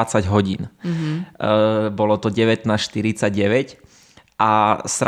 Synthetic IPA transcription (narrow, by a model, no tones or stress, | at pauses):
at͡saɟɦɔɟḭːn | bɔlɔt̪ɔɟɛʋɛt̪naːsʃt̪iɾit͡saɟɟɛʋɛc | ʔasɾ